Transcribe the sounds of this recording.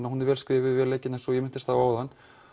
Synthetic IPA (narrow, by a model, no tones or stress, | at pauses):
nahunɪɾvɛːlskvɪːvɪvɛːɾlejcːɪnθɛnsɔjɛmɪn̥t̪ɪst̪havaːwðanː